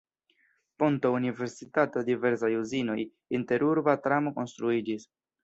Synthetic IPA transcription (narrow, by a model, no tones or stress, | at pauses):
pont̪ounive̞ɾsit̪at̪od̪iveɾsajuzino̞j | int̪e̞ɾuɾbat̪ɾamoko̞nst̪ɾuid͡ʒis